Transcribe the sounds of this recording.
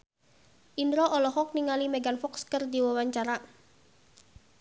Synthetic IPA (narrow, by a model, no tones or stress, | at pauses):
ʔindɾɔʔɔlɔhɔk̚niŋalimeɡanfɔkskərdiwawaɲt͡ʃaɾa